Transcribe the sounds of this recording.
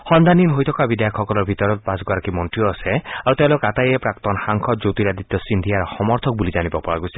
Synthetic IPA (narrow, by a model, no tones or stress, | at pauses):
hɔnd̪ʱaninɦojt̪ʰɔkabid̪ajakʰɔkɔlɔɾbʱit̪ɔɾɔt̪̚pasɡɔɾakimɔnʈɾijɔaseaɾut̪ẽlokat̪ajepɾak̚t̪ɔnxaŋkʰɔt̪̚d͡ʒowt̪iɾad̪it̪ːɔsind̪ʱiaɾɔxɔmɔɾt̪ʰɔk̚bulid͡ʒanibɔpɔɹaɡuse̥